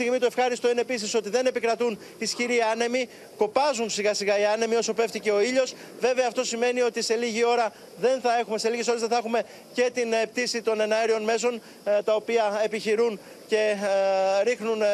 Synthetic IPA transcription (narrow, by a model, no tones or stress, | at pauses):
iɣmit̪ue̞fxɐɾist̪o̞inepis̬iso̞t̪iðe̞ne̞pikɾɐt̪un | isçiɾiɐne̞mi | ko̞pɐzunsiɣɐsiɣɐiɐne̞mio̞so̞pe̞ft̪ice̞o̞iʎo̞s | ve̞ve̞ɐːft̪o̞sime̞nio̞t̪ise̞liʝio̞ɾɐ | ðe̞nθɐe̞xume̞se̞liʝeso̞lezðeθexume̞ | ce̞t̪inep̚t̪isit̪o̞ne̞nɐeɾio̞nme̞so̞n | t̪ɐo̞piɐepiçiɾun | ce̞ | ɾixnun